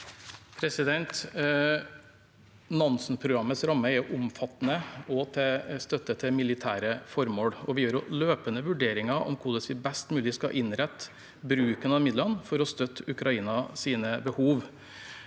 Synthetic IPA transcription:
pʰɾɛsɪd̪ɛnt̪ | nɔnsnpʰɾʊɡɾɑmːət̪sɾɑmːəɛʔʊmfɑt̪ːnəɔt̪ʰɛst̪œt̪ːət̪ʰɛmɪlɪt̪ʰæːɾəfɔɾmoːɽɔʋɪjøːɾʊløːpənəʋʉɖeːɾɪŋɑʔɔ̰mkʰʊd̪əsʋɪbɛst̪mʉːlɪskɑ̰ʔɪnɾɛt̪ː | bɾʉːkənɑmɪd̪lənfɔɾɔst̪œt̪ːʉkɾɑiːnɑsiːnəbəhuːʋ

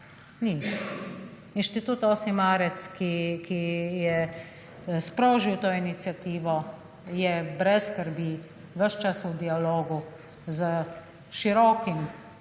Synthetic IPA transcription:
ni | inʃt̪it̪ut̪oːsimaːɾɛt̪skikʰijɛ | spɾoːʒiwt̪oːinit̪sjat̪iːʋɔ | jɛbɾɛsːkəɾbi | ʋəʃt͡ʃasud̪ialoːɡu | zə | ʃiɾɔːkim

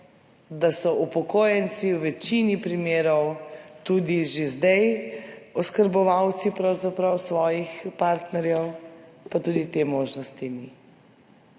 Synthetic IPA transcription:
d̪asɔʔupɔkoːjɛnsiwʋɛt͡ʃinipɾimeːɾɔwt̪uːd̪iʒezd̪ɛj | ɔskəɾbɔʋawt̪sipɾawzapɾawsʋɔːjixpaɾt̪nɛɾjɛwpat̪uːd̪it̪emoːʒnɔst̪ini

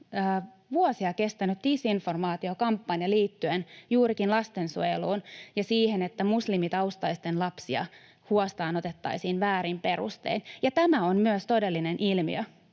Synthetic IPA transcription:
ʋuosiɑke̞st̪ænyt̪̚disinfo̞rmɑːt̪io̞kɑmpːɑnjɑliːt̪ːyenjuːɾikinlɑst̪e̞nsueluːnjɑsiːhenet̪ːæmuslimit̪ɑust̪ɑist̪enlɑpsiɑ̰ | huost̪ɑːno̞t̪et̪ːɑisiːnʋæːɾimpe̞ɾṵst̪ḛinjɑt̪æmæonmyøst̪o̞de̞lːinenʔilmḭø

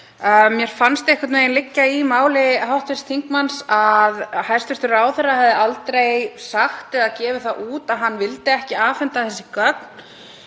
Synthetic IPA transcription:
mjɛɾ̥fanst̪ejhkaɾt̪mejɪnlɪcːaimaːwlɪɦawht̪vɪ̥st̪ʰiŋkmansaðhajrst̪vɪɾ̥t̪ʏɾaːwθɛrːaɦɛvðɪalt̪ɾejsaxt̪ɛðaðcɛːvɪθaʔuːt̪aðɦanːvɪlt̪ɪɛhcɪaːfɛnt̪aθɛsːɪkœkn

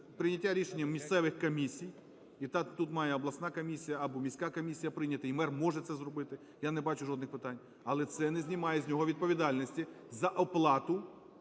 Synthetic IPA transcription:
pɾɪnʲɐtʲːaɾʲiʃenʲːɐmːʲist̪sɛʋɪxkɔmʲisʲij | it̪ɑt̪ut̪mɑjɛɔblˠɐsnɑkɔmʲisʲijɐɐbɔmʲisʲkɑkɔmʲisʲijɐpɾɪnʲɐt̪ɐimɛrmɔʐɛt̪sɛzrɔbɪt̪ɪ | janɛbɑt͡ʃʊʒɔd̪nɪxpɪt̪ɑnʲ | ɐlˠɛt̪sɛnɛzʲnʲimɑjɛzʲnʲɔɦɔʋʲid̪̚pɔʋʲid̪ɑlʲnɔsʲtʲi | zɐʔɔplˠɑt̪ʊ

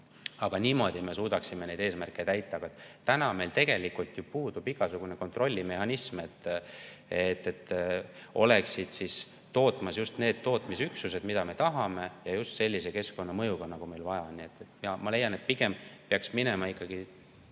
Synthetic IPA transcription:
ɑɡ̥ɑnʲiːmo̞ːd̪̥ʲime̞suːd̪̥ɑksimene̞jd̪e̞ːsmærkːˑe̞t̪æjt̪ˑːɑɑɡ̥ɑet̪ːt̪ːænɑme̞jlt̪e̞ɡ̥e̞likult̪jupuːd̪ub̥iɡ̥ɑsuɡ̥une̞ko̞nt̪ro̞lʲːime̞hɑnismet̪ː | et̪ːet̪ː | o̞̰le̞ksid̪̥sis | t̪o̞ːt̪ːˑmɑsjust̪ne̞ːd̪̥̚t̪ːo̞ːt̪ˑmisyksuse̞d̪mid̪ɑme̞t̪ɑɦɑme̞jɑjust̪se̞lʲːise̞ke̞sko̞nːɑmɤjuɡ̥ɑnɑɡ̥ume̞jlvɑjɑnːie̞t̪ːˑet̪ːmɑmɑle̞jɑne̞t̪̚piɡ̥e̞mpeɑksminemɑikˑːɑɡ̥i

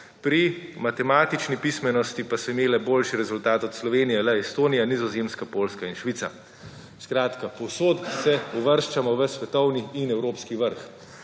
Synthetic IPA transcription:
pɾimat̪ɛmaːt̪it͡ʃnipismɛnɔst̪ipasɔimeːlɛboːlʃiɾɛzult̪aːt̪ɔt̪slɔʋeːnijɛlɛɛst̪oːnijanizɔzeːmskapoːlskainʃʋit̪sa | skɾaːt̪kapɔwsoːt̪sɛuʋəɾʃt͡ʃamɔʋəsʋɛt̪ɔwniːnɛwɾoːpskiʋəɾx

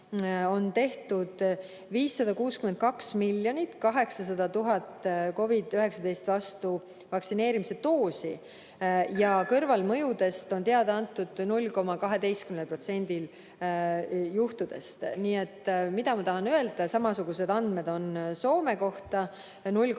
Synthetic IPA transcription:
o̞nt̪e̞ht̪ud̪̥ | viːsːɑd̪̥ɑkuːskyment̪̚kɑksmilːjo̞nʲit̪kɑɦe̞ksɑs̬ɑd̪̥ɑt̪uɦɑt̪ko̞vid̪̥yɦe̞ksɑd̪e̞jst̪vɑst̪u | vɑksine̞ːɾimise̞t̪o̞ːsi | jɑkɤrvɑlmɤjud̪e̞st̪o̞nt̪eɑd̪̥ɑɑnt̪ːˑud̪̥nulʲko̞mɑkɑɦe̞d̪e̞jst̪kymnelpro̞t̪se̞nʲd̪̥il | juht̪ud̪̥e̞̰st̪niːet̪ːmid̪ɑmɑt̪ɑɦɑnøe̞ld̪̥ɑsɑmɑsuɡ̥use̞d̪ɑnd̪̥me̞d̪o̞nso̞ːme̞ko̞ht̪ɑ | nulʲ

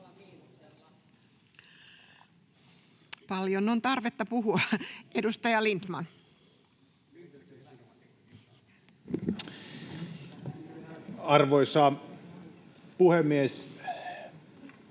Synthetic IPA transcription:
pɑljonont̪ɑrʋet̪ːɑpuɦuɑedust̪ɑjɑlint̪mɑn | ɑrʋoisɑ | puhemːies

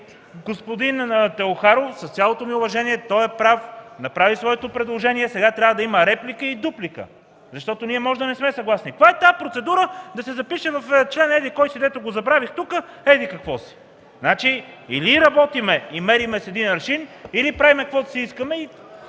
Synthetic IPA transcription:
ɡospod̪int̪ɛoxaɾofsɐst̪sʲalˠot̪omiʊvɐʒɛniɛt̪ɔjɛpɾafnɐpɾavisvɔɛt̪opɾɛd̪lˠoʒɛniɛsɛɡat̪ɾʲavəd̪ɐimɐɾɛplikəid̪uplikə̰ | zɐʃt̪ɔt̪oniɛmɔʒd̪ɐnɛsmɛsɐɡlˠasnik̪kvaɛt̪apɾot̪sɛd̪uɾəd̪ɐsɛzɐpiʃɛvɐft͡ʃlɛnɛd̪ikɔjsid̪ɛt̪oɡozɐbɾavixt̪ukə | ɛd̪ikɐkvɔsi̥ | znat͡ʃi | ḭliɾɐbɔt̪imɛimɛɾimɛsɛd̪inɐɾʃinilipɾavimɛkɐkvɔd̪ɐsiiskəmɛi

